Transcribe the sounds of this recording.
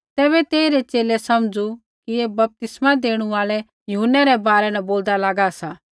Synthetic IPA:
t̪ɛːβɛt̪eːiɾɛt͡ʃeːlɛsɐmd͡zu | kieːbɐp̚t̪ɪsmãd̪eːɽ̃ũaːlɛ | jʊɦʊnːɛɾɛbaːɾɛnɛboːld̪alaːɡasaː

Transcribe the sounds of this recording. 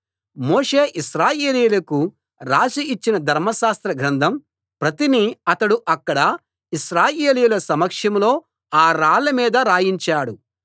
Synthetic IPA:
moːʂeːʔisɾaːjeːliːjulɐku | ɾaːsiit͡ʃːinɐd̪ʱɐɾmɐʃaːst̪ɾɐɡɾɐnd̪ʱɐm | pɾɐt̪iniɐt̪ɐɽuʔɐkːɐɽɐ | iʃɾaːjeːlijulɐsɐmɐkʂɐmlo̞ː | aːɾaːlɐmiːd̪ɐɾaːjiɲt͡ʃaːɽu

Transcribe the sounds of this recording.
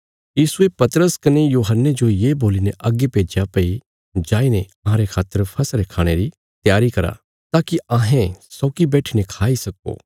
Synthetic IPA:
jiːsuepɐt̪əɾəskɐnejuːɦənːed͡ʒojeːboːlineʔɐɡːepeːd͡ʒjapɐi | d͡ʒaːinẽɐɦãːɾekʰaːt̪ːəɾpʰɐsɾekʰaːɽ̃eɾi | t̪jaːɾikɐɾa̰ | t̪aːkiãːɦẽsɔːkibɛːʈʰinekʰaːisɐko̰ː

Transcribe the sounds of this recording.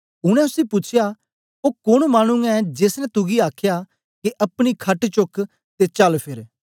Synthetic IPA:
ʊɽ̃ɛ̃ʊsipʊt͡ʃʰjaː | oːkʊɽ̃maːñʊ̃ŋɡɛ̃d͡ʒeːsnɛ̃t̪ʊɡiaːkʰjaː | keʔɐpɽ̃ikʰɐʈt͡ʃʊk | t̪et͡ʃɐlpʰɪɾ

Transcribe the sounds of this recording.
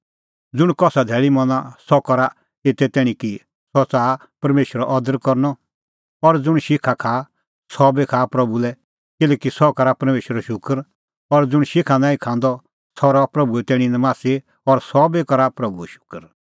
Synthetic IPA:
d͡zʊɽ̃kɔsad̪ʱɛːɭimɔnasɔkɔɾa | t̪et̪ɛt̪ɛːɽ̃ĩki | sɔt͡saː | pɐɾmeːʃwəɾɔʔɔd̪əɾkɔɾnɔ | ɔɾd͡zʊɽ̃ʃɪkʰakʰaː | sɔbekʰaːpɾɐbulɛ | kɪlɛːkisɔkɔɾapɐɾmeːʃwəɾɔʃʊkəɾ | ɔɾd͡zʊɽ̃ʃɪkʰanãːĩkʰãːnd̪ɔ | sɔɾɔpɾɐbuɛt̪ɛːɽ̃ĩnɛmaːse | ɔɾsɔbekɔɾapɾɐbuɛʃʊ̥kəɾ

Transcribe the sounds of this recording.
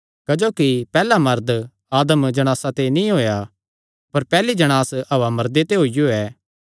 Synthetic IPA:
kɐd͡ʒoːkipɛːlamɐɾd̪ | aːd̪əmd͡ʒɐɽ̃aːsat̪enĩɦoːja | pɐɾpɛːlid͡ʒɐɽ̃aːsɐʋamɐɾd̪et̪eɦoːijoɛː

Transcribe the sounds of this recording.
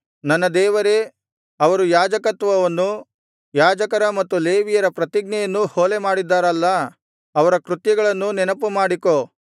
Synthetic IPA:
nɐnːɐd̪ɛːʋɐɾe̞ | ɐʋɐɾujaːd͡ʒɐkɐt̪ʋɐʋɐnːu | jaːd͡ʒɐkɐɾɐmɐt̪ːuleːʋijɐɾɐpɾɐt̪iɡ̚nɛjɐnːuhoːlemaːɽid̪ːaːɾɐlːɐ | ɐʋɐɾɐkɾut̪jɐɡɐɭɐnːunɛnɐpːumaːɽiko

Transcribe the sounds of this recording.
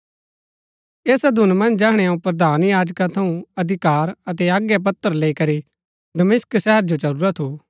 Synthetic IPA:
eːsad̪ʱʊnmɐ̃nd͡ʒd͡ʒɛːɦɽ̃ɛ̃aũpɾɐd̪ʱaːnjaːd͡ʒkat̪ʰɐũɐd̪ʱɪkaːɾɐt̪̬ɛaːɡjɛp̬ɐt̪ːəɾleːikɐɾi | d̪ɐmɪsksɛɦəɾd͡ʒot͡ʃɐɾuːɾat̪ʰːu

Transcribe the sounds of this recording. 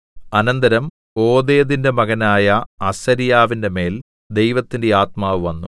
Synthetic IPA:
ɐnɐnd̪ɐɾɐm | o̞ːd̪eːðinde̞mɐɣɐnaːjɐɐsɐɾijaːʋinde̞me̞ːl | d̪e̞jʋɐt̪ːinde̞aːt̪maːʋɨʋɐnːu

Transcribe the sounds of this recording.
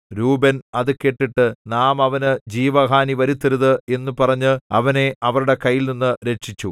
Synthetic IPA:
ɾuːbɐnɐðɨke̞ʈːiʈːɨnaːmɐʋɐnɨd͡ʑiːʋɐɦaːniʋɐɾut̪ːiɾuðɨe̞nːupɐrɐɲːɨɐʋɐne̞ɐʋɐɾuɽe̞kɐjːilninːɨɾe̞ʈʂit͡ɕːu

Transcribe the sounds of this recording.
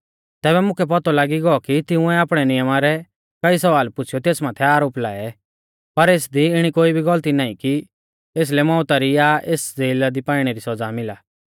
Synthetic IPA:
t̪ɛːbɛmʊ̃kʰɛp̬ɔt̪ɔlaːɡiɡɔɔkit̪ɪʊ̃ɛaːpɽ̃ɛnɪjəmaɾɛ | kɐisɐʋaːlpʊt͡ʃʰjɔt̪eːsmaːt̪ʰɛaːɾoːpla̰ːɛ | pɐɾeːsd̪iɪɽ̃ikoːibʱiɡɐlt̪inaːĩki | eːs̬lɛmɔ̃ːʊt̪aɾiaʔeːsd͡zeːlad̪ipaːɪɽ̃ɛɾisɐd͡zamɪlaː

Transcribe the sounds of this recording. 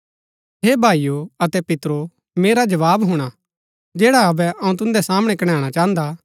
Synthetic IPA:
ɦeːbʱaːijoɐt̪ɛpɪt̪ɾo | meːɾad͡ʒɐʋaːbɦʊɽ̃a | d͡ʒɛːɽaɐbɛʔɐ̃ũt̪ʊ̃nd̪ɛsaːməɽ̃ɛ̃kɐɽ̃aːɽ̃at͡ʃaːɦə̃nd̪a

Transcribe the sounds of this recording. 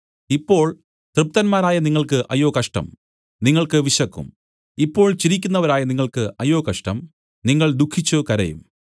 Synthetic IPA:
ipːo̞ːɭ | t̪rɨp̚t̪ɐnmaːɾaːjɐniŋːɐɭkɨʔɐ̰jo̞ːkɐʂʈɐ̰m | niŋːɐɭkɨʋiɕɐkːṵm | ipːo̞ːɭt͡ɕiɾikʲːunːɐʋɐɾaːjɐniŋːɐɭkɨʔɐjoːkɐʂʈɐm | niŋːɐɭd̪ukʰːit͡ɕːukɐɾɐ̰jṵm

